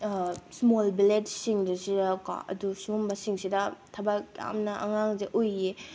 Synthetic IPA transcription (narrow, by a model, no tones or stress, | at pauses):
smolbiletsiŋdɐsidɐka̰ɐ̰dusumbɐsiŋsidɐtʰɐbakja̰mnɐʔɐ̰ŋaŋzeʔoje